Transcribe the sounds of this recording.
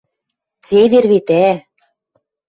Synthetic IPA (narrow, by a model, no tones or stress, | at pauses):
t͡seβerβet̪æ